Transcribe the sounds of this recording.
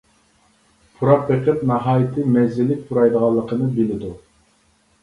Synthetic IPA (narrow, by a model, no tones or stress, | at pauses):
pʰuɾɑq̚beqʰəp̚nɑɦɑːjɪt̪ʰɪmɛzɪlːɪk̚ʲpʰuɾɑjd̪əʁɑlˠːəqʰənɨbɪlɪd̪u